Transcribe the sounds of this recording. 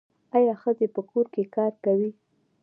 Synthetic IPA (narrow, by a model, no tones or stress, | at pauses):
ɑjɑxəzepəkoɾkekɑɾkawi